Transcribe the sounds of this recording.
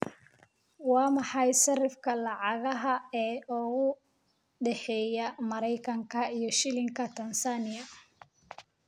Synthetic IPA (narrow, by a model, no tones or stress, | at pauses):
wɑːmɑħɑjsɐrɪfkʰɐlɑʕɑɣɐɦɐɛːʔɔɣʊ | ɖɛħɛːjɐmɐɾɛjkʰɐŋkʰɐijɞʃɪlɪŋkʰɐt̪ʰɐnsanɪɐ